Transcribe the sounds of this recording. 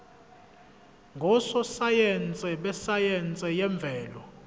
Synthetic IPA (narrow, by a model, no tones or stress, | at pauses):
ŋɡʱɔsɔsajɛnt͡sʼɛɓɛsajɛnt͡sʼɛjɛɱb̪vʱɛːlɔ